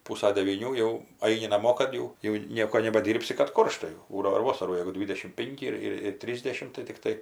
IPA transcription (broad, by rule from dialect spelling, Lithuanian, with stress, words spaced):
ˈpuːsɐ dʲɛʋʲiːˈnʲuː jɛʊ ˈɐɪnʲɪ nɐˈmoː ˈkɐt jɛʊ jɛʊ ˈnʲiɛkoː nʲɛbɐˈdʲiːrʲpʲsʲɪ kɐt ˈkoːrʃtɐ jɛʊ ˈbuːdɐʋoː ɪr ˈʋoːsɐruː jɛɪɡʊ ˈdʲʋʲiːdʲɛʃʲɪm ˈpʲɪŋʲkʲɪ ɪr ˈɪr ɪr ˈtʲrʲiːzʲdʲɛʃʲɪm tɐɪ tʲɪkˈtɐɪ